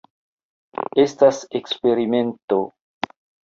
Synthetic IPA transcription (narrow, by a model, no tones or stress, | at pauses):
estasekspe̞ɾime̞nto